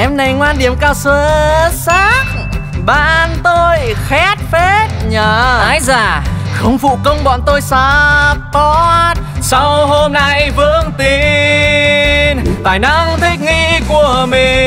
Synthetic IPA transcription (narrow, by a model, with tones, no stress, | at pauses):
ʔɛ˧mna˨˩jŋwaː˧nɗi˨˧˩əmkaː˧wsəː˧˨˦sa˦˥k̚ | ɓa̰ː˧˨nt̪o˧jxɛ˦˥t̚fe˦˥t̚ɲəː˨˧˩a̰ː˧˦jzaː˨˩xə˧wŋ͡mfṵ˧˨kə˧wŋ͡mɓɔ̰˧˨nt̪o˧jsa˧pɔ˧˦t̚sa˧who˧mna˧jvɨ˧˥əŋt̪i˨ | nt̪aː˧˩jna˧ŋt̪ʰï˦˥k̚ŋi˧ku˨˧˩əmi˨˩